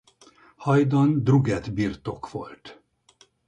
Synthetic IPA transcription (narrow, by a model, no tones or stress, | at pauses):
hɒjd̪ond̪ruɡɛd̪birt̪o̞kʋo̞̰lt̪